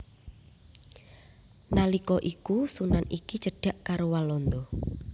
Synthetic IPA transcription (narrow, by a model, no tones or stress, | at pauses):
nalikɔʔikusunanikit͡ʃəɖ̥a̤ʔkaɾowalɔnd̪ɔ